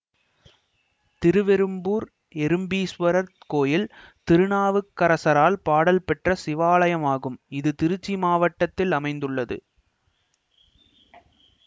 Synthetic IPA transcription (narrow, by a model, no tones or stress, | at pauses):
t̪ɪɾɯʋɛɾɯmbuːɾ | ɛɾɯmbiːsʋɐɾɐɾ | koːjɪlt̪ɪɾɯɳaːʋɯkːɐɾɐsɐɾaːlpaːɽɐlpɛʈrɐsɪʋaːlɐjɐmaːɣɯmɪðɯt̪ɪɾɯt͡ʃːimaːʋɐʈːɐt̪ːɪlɐmɐɪnd̪ɯɭːɐðɯ̰